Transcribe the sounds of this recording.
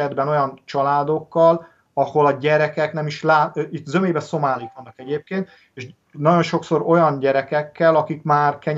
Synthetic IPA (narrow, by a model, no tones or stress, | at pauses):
ɛd̪bɛno̞jɒnt͡ʃɒlaːd̪o̞kːɒl | ɒho̞lɒɟɛɾɛkɛknɛmiʃlaːit̪zømeːbɛso̞maːlikʋɒnːɒkɛɟeːp̚keːnt̪ | eːʃ | nɒɟo̞nʃo̞kso̞ɾo̞jɒnɟɛɾɛkɛkːɛlɒkikmaːrkɛɲ